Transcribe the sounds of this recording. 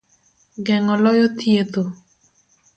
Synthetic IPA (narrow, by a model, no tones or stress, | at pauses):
ɡɛŋɔlɔjɔt̪jet̪o